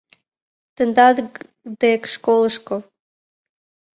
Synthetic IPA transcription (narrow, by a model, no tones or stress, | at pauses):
t̪ənd̪ɑd̪ | d̪ekʃkoləʃko